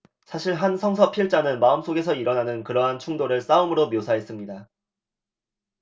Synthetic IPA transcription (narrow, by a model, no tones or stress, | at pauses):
sʰaɕʰiɭɦansʰʌŋsʰʌpʰiɭt͡ɕ͈anɯnmaɯms͈oɡe̞sʰʌiɾʌnanɯnkɯɾʌɦant͡ɕʰuŋdoɾɯɭs͈aumɯɾomjosʰaɦe̞s͈ɯmɲida